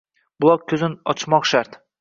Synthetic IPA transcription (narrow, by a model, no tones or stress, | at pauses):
bʊlˠɒk̚kʲʰːɵzɪnɒ̰t͡ʃʰmɒqʃaɾt̪